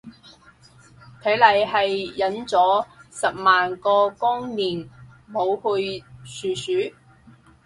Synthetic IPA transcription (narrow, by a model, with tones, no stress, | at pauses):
k̪ʰe˨˥jlɐ˨jɦɐ˨jːɐ˨˥nt͡sɔː˨˥sɐ˨p̚maː˨nkɔː˧kʊ˥ŋniː˨˩nmo˨˧whɵ˧ɥsyː˨syː˨˥